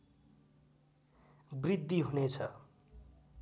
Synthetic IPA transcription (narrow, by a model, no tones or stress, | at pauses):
brid̪ːiɦunet͡sʰʌ